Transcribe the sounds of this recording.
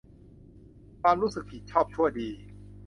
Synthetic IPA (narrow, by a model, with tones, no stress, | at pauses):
kʰwaː˧mɾuː˦˥sɯ˨˩k̚ʰːi˨˩t̪̚t͡ɕʰɔː˥˩p̚t͡ɕʰu˥˩əjdiː˧